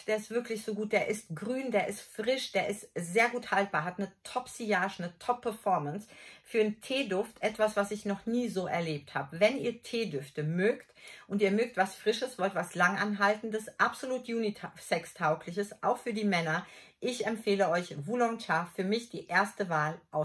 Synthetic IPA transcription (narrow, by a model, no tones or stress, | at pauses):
d̥eːɐɪstv̥ɪɐklɪçz̥oːɡuːt̚d̥eːɐʔɪstɡ̥ʁyːndeːɐʔɪstfʁ̥ɪʃd̥eːɐɪstz̥eːɐɡuːthalt̚b̥aːɐɦatnətʰɔpsiaːʃnətʰɔpʰːɛɐfɔɐmənsfyːɐntʰeːdʊftʔɛtv̥asv̥asɪçnɔχniːzoːʔɛ̰ɐleːp̚tha̰ːbəvɛniːɐtʰeːdʏftəmøːktʔʊntiːɐmøːk̚tv̥asfʁ̥ɪʃəsv̥ɔltv̥aslaŋʔanɦaltn̩dəsʔapz̥oluːtʰjuːnitʰsɛkstʰaʊklɪçəsʔaʊxfyːɐdiːmɛnɐʔɪçɛmfeːləʔɔʏçvulɔŋt͡ʃaːfyːɐmɪçd̥iːʔeːɐstəvaːlʔaʊ